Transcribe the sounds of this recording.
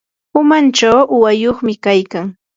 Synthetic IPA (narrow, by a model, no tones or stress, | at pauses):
ʊmant͡ʃawʊwajoχmɪkajkaŋ